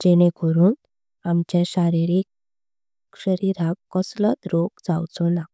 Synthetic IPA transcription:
d͡ʑɛɽ̃ẽkʰɔɾuːn | amt͡ɕẽɕaɾiɾik̚ | ɕəɾiɾãkːəslət̪ɾokd͡zawt͡sɔna

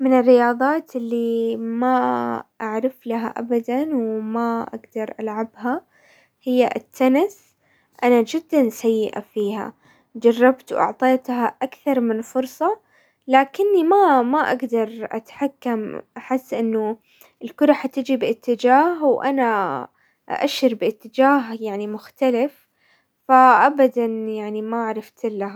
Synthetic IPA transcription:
mɪnɪrːɪjɑːðˤɑːt̪ʔɪlːimaʔaʕɾɪflaɦa̰ʔa̰bad̪anwmaʔa̰ɡd̪ɑɾˤʔalʕabɦa | hɪjːaʔɪt̪ʰːanɪs | ʔanad͡ʒɪd̪ːansajːɪʔa̰fiːha̰ | d͡ʒɑrˤːɑbt̪wʔɑ̰ʕt̪ˤeːt̪haʔakθɑɾˤmɪnfʊɾsˤɑ | laːkɪnːimamaʔaɡd̪ɑɾˤʔa̰t̪ħakːamʔaħɪsːʔɪnːʊ | ɪlkʊɾˤɑħat̪ɪd͡ʒibɪʔɪt̪ːɪd͡ʒaːhwʔana | ʔaʃɪɾbɪʔɪt̪ːɪd͡ʒaːɦjaʕnimʊxt̪alɪf | faʔabad̪anjaʕnimaʕɾˤɑft̪ɪlːaha

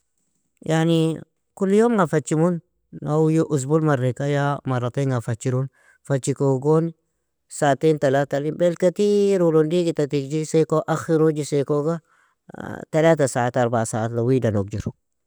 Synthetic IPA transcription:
jani | kulːjomɡafat͡ʃːimunː | awjoʔus̬bulmaɾekajamaɾataŋɡafat͡ʃːiɾun | fat͡ʃikoɡon | saːtentalatalibelkat̪iɾulundiɡitatikd͡ʒisekoʔaxiɾod͡ʒisekoɡa | talatasaataɾbasaatlawidanok̚d͡ʒiɾ

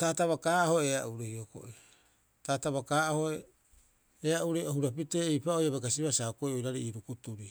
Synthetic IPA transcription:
taːtaβakaːaho̞eaʔuɾejoko̰ʔi | taːtaβakaːʔahoe | eaʔuɾejohuɾapiteːjpaojaβeɡasiβasakojojɾaɾiiɾukutuɾi

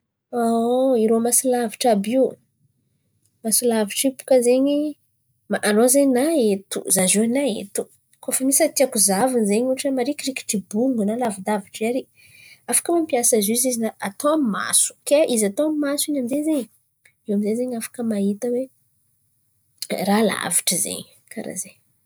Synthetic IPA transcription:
oiɾomasilaviʈ͡ʂabi | masilaviʈ͡ʂipu̥kəzeɲi | maʔanozeɲnaet̪ṵzazianaḛt̪u̥ | kofəmisət̪iakuzavinizeɲuʈ͡ʂəmaɾikɾiki̥ʈ͡ʂibuŋɡunalavid̪aviʈ͡ʂaɾi | afḁkəmampiasazuizizinaʔat̪oamima̰su̥keʔizat̪oamimasiɲamizezeɲ | ewamizezeɲafḁkəmaɦit̪əwe | rala̰vi̥ʈ͡ʂəzḛɲi | kʰa̰ɾa̰ze

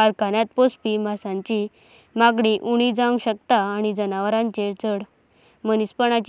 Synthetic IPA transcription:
aɾkanjat̪̚pospiːmasãɲt͡ɕi | maɡɽiʔuɽ̃id͡zãŋɡɕəkt̪aːɽ̃id͡zənaʋəɾãnt͡ɕeɾt͡səɽ | mənispəɳ̃at͡ɕ

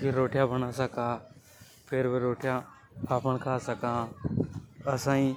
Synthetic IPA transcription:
kiɾoːʈʰjãbənasəkaː | pʰɪɾbeɾoːʈʰjã | aːpəɳkʰaːsɐkãː | ɐsãːĩ

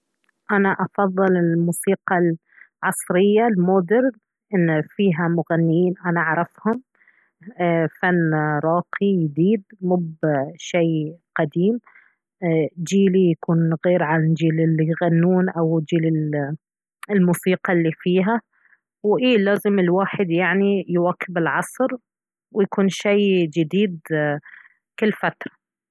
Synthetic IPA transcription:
ʔanaʔɑfɑðˤːɨlɪlmuːsiːqɑl | ʕɑsˤɾɪjːalmoːd̪ɪɾ | ʔɪnːfiːɦamʊɣanːɪjiːnʔanaʔʕɾˤɑfhʊm | fanːɾˤɑːqijd̪iːd̪̚mʊbʃejqad̪iːm | d͡ʒiːlijakuːnɣeːɾʕalnd͡ʒiːlɪlijɣanːuːnʔawd͡ʒiːlɪl | ɪlmuːsiːqɑlːifiːɦa | wʔiːlaːzɪmɪlwaːħɪd̪jaʕnijwaːkɪbɪlʕɑsˤɾ | wɪjakuːnʃajd͡ʒɪd̪iːd̪ | kɪlːfat̪ɾˤɑ

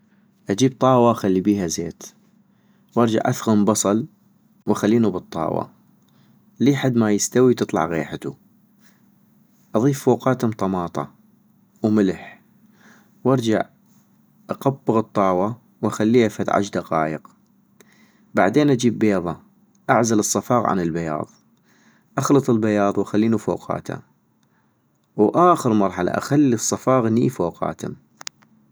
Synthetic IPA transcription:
ʔad͡ʒiːb̚t̪ˤɑːwaxalːibiːhazeːt̪ | wʔɑɾˤd͡ʒa̰ʕʔaθɣʊmbɑsˤɑl | wʔaxalːiːnubɨt̪ˤːɑ̰ːwɑ̰ | liːħad̪ːmajɪst̪awit̪ɨt̪ˤlɑ̰ʕɣeːħat̪u | ʔɑðˤiːfːoːqɑːt̪ʊmt̪ˤɑmɑːt̪ˤɑ̰ | wmɪlħ | wʔɑɾˤd͡ʒaʕ | ʔɑqɑbːəɣɨt̪ˤːɑːwa | wʔaxalːiːhafat̪ʕa̰ʃd̪aqɑːjəq | ba̰ʕd̪eːnʔad͡ʒiːbːeːðˤɑ | ʔaʕzalɨsˤːɑfɑːɣʕa̰nɪlbajɑ̰ːðˤ | ʔaxlɨt̪ˤɨlbajɑːðˤwʔaxalːiːnufo̰ːqɑ̰ːt̪ʰha̰ | wʔaːxəɾmɑɾˤħala̰ʔa̰xalːisˤːɑfɑːɣniːfoːqɑ̰ːt̪ʰʊ̰m

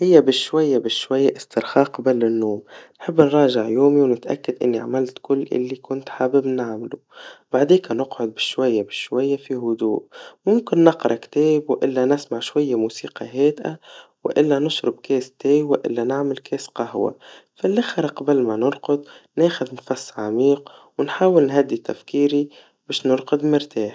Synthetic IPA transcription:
hɪjːabɪʃwajːabɪʃwajːaʔɪst̪ɪɾxɑːqbalːɪnːoːmnħɪbːnɾˤɑːʒɪʕjoːmiwnɪt̪ʔa̰kːad̪ʔɪ̰nːiʕa̰malt̪kʊlːʔɪ̰lːikʊnt̪ħabɪbnaʕmalu | baʕd̪iːkanɪqʕʊd̪̚bɪʃwajːabɪʃwajːafiɦʊd̪uːʔmʊmkɪnːɪqɾˤɑkt̪eːbwʔɪlːanɪsmaʕʃwajːamuːsiːqɑ̰ɦeːd̪ʔa̰wɪʔɪlːanɪʃɾɑb̚keːst̪eːwaʔɪ̰lːanaʕmɪlkeːsqɑhwa̰falːɪxɾˤɑqɑbɪlmanɪɾqʊd̪neːxʊd̪nfasːʕamiːqwɪnħaːwɪlnɦad̪ːit̪a̰fkiːɾi | beːʃnɪɾqʊd̪mɪɾt̪aːħ

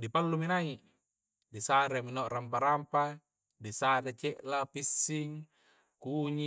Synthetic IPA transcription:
dipalːuminaiʔ | disaɾeminooʔrampaɾampa | disaɾet͡ʃeʔlapisːiŋ | kuɲi

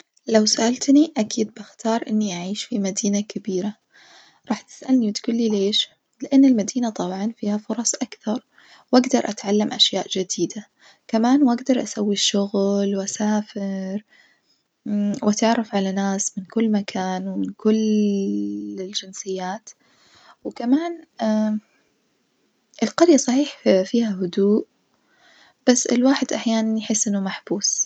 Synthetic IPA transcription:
lawsaʔalt̪niʔakiːd̪̚bɪxt̪ɑːɾˤʔɪnːiʔaʕiːʃfimad̪iːnakabiːɾa | ɾˤɑːħt̪ɪ̥sʔalniwɪt̪kʊlːileːʃ | lɪʔanːɪlmad̪iːnat̪ˤɑbʕɑnfiːhafʊɾˤɑsˤʔakθɑɾˤ | wʔaɡd̪ɑɾˤʔat̪ʕalːamʔaʃjaːʔd͡ʒɪd̪iːd̪a | kamaːnwʔaɡd̪ɑɾˤʔasawːiʃʊɣlwʔasaːfɪɾ | wʔat̪ʕɑrˤːɑfʕalanaːsmɪnkʊlːmakʰaːnwɪmɪnkʊl | ɪld͡ʒɪnsɪjːaːt̪ | wkamaːn | ʔɪlqɑɾjasˤɑħiːħfiːhaɦʊd̪uːʔ | b̥asːɪ̰lwaːħɪd̪ʔaħjaːnanjħɪsːʔɪnːʊmaħbuːs

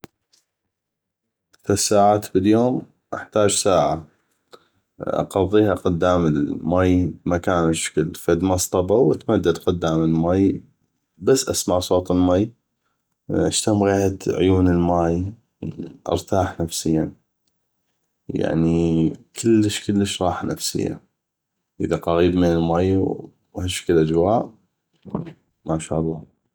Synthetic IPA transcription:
θasaːʕaːt̪bɪljoːm | ʔa̰ħt̪aːd͡ʒsaːʕa | ʔɑ̰qɑðˤːiːhaqʊd̪ːaːmɪlmajbmakaːnɪʃḁkəlfad̪mɑsˤt̪ˤɑbawat̪mad̪ːad̪qʊd̪ːaːməlmaːj | basːʔasmaʕsˤoːt̪ˤɪlmaːj | ʔaʃt̪amɣeːhad̪ʕʊ̰juːnəlmaːj | ʔɨ̰ɾˤt̪aːħnafsɪjːa | ja̰ʕnikʰɪlːəʃkəlːəʃɾˤɑːħnafsɪ̰jːa̰ | ʔəðaqɑɣiːbmɪnɪlmaj | haʃkəlʔad͡ʒwaːʔ | maʃa̰ːʔlˤːɑ

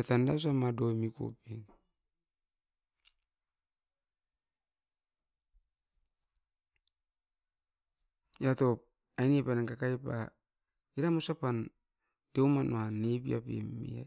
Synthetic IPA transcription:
atandas̬amadomiko̰pen | jatop̚ | ajnepanaŋkakajpa̰ | iɾamusapan | dewmanoanebia̰pḛmḭa̰

